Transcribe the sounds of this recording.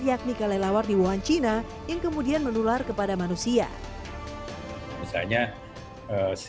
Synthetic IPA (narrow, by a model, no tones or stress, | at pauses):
jak̚nikalalawardibuɦant͡ʃina | jaŋkəmudianmənularkəpadamanusia̰ | misa̰lɲa | əs